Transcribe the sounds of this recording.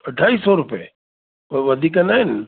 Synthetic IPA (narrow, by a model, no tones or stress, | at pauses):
ɐɖʱaːisɔɾʊpe | ʋɐd̪ʱiːkanaːɦɪn